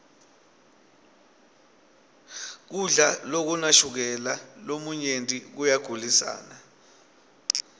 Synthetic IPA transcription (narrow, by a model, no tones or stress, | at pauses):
k̬uɮalok̬unaʃuk̬ɛlalomuɲentʼik̬ujaɡ̥ʱulisa̰ːna